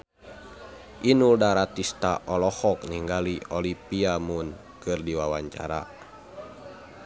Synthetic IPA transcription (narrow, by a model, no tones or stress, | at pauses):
ʔinuldaɾat̪ist̪aʔɔlɔhɔk̚niŋɡaliɔlipiamun | kɨrdiwawaɲt͡ʃa̰ɾa̰